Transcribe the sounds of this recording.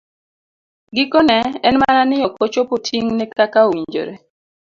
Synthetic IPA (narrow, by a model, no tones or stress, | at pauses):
ɡɪkɔnɛɛnmaɾanɪjɔkot͡ʃopotʰiŋnekakaowiɲd͡ʒo̰ɾe